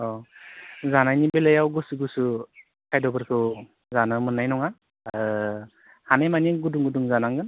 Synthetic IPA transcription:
ɔ | zanajnibelajawɡɔsuɡusu | kʰajdɔbɯɾkʰɯ | zanɯmɯnːajnɔŋa | hanajmaniɡuduŋɡuduŋzanaŋɡɯn

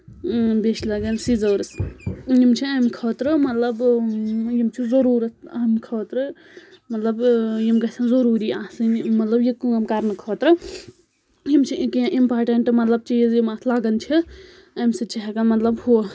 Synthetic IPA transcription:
beʃlɐɡɐnsizɐːɾɐsjimt͡ʃʰiɐmkʰɔːt̪ɾɨmɐt̪lɐb | jimt͡ʃʰizɐɾuːɾɐt̪ʰɐmkʰɔːt̪ɾɨ | mɐt̪lɐbjimɡɐsʰãnzoɾuːɾiaːsɨnmɐt̪lɐbjikuɐmkɐɾnɨkʰɔːt̪ɾɨ | jimt͡ʃʰikiãʔimpaːɾʈeɳʈmɐt̪lɐb̚t͡ʃiːzjimaːt̪ʰlaːɡɐnt͡ʃʰi | ɐmsit͡ʃɐɦɛkɐnmɐt̪lɐbhu

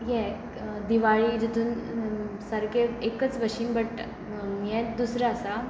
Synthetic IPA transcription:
jɛ | d̪iʋaɭiːd͡ʑut̪ʰuːn | səɾkeekət͡sʋəɕiːnbəʈ | jɛ̃d̪usɾaːsa

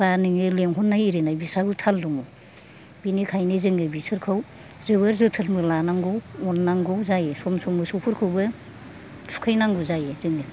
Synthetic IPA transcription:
b̥anɯŋɯleŋɦɔnːajiɾinajbisabɯtʰalduŋɔ | binikʰajnɯzɯŋɯbisɯɾkʰɯw | zɯβɯɾzɯtʰɯlmɯlanaŋɡɔwɔnːaŋɡɔzajesɔmsɔmɯsɔwpʰɯɾkʰɯwbɯ | tʰu̥kʰajnaŋɡɔzajezɯŋɯ

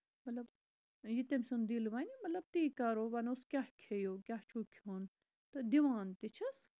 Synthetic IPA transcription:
mɐt̪lɐb | jit̪emʲsund̪ilʋɐnmɐt̪lɐb̚t̪iːkaːɾoːʋɐnoskʲahkʰejoːkʲjaht͡ʃʰukʲʰon | t̪ɐd̪iʋaːnt̪it͡ʃʰɐs

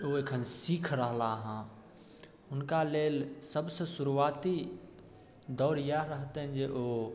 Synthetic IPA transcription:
oekʰənsikʰɾəɦlaɦã | ʊnkaleːlsəbsəsuɾuat̪i | d̪ɔːɾjaɾəɦt̪eɦɛ̃d͡ʒeʔo

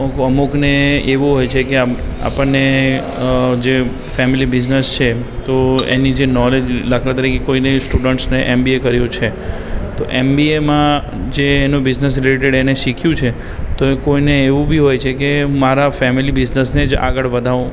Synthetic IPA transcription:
kəmukneeʋũɦojt͡ʃʰekeaa̰pəɳːe | d͡ʒe | fɛmilibɪznəst͡ʃʰe | t̪oḛnid͡ʒenɔled͡ʒləkʰɾat̪əɾikʰekoinesʈuɖəɳʈsneʔembiekəɾjũt͡ʃʰe | t̪oʔembiemã | d͡ʒeːnũbɪznəsɾileʈeɽeneʃikʰjũt͡ʃʰe | t̪okoineːʋũbʱiɦojt͡ʃʰekemaɾafɛmilibɪznəsned͡ʒa̰ɡəɭʋəd̪ʱaʋũ

